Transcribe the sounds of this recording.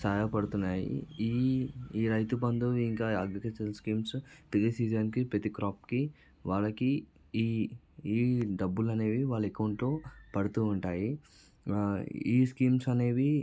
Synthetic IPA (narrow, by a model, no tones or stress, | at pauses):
saːjɐpɐɽut̪unːaːjḭiːiːɾɐjt̪upɐnd̪uiŋkaːɐɡɐkɐt͡ʃɐlskiːmspiɡisiːd͡ʒɐnkipɾɐt̪ikɾaːpki | ʋaːɭɐkiː | iːɖɐbːulɐne̞ːʋiʋaːɭːekɐwuɳʈloːpɐɽut̪uːɳʈaːji | iːskiːmsɐne̞ːʋi